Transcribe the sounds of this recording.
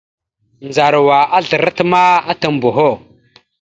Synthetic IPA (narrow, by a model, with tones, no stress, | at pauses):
nd͡za˨ɾwa˨ʔa˦ɮə˨ɾa˦tma˦a˦ta˨m˨bo˨ɦo˦˨